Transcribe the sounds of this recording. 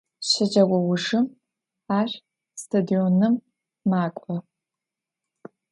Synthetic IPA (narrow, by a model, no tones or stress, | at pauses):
ɕɪd͡ʒɐwʷɔwʊʐɨm | aːr | stʰɐdionɨmː | aːkʷʼɔ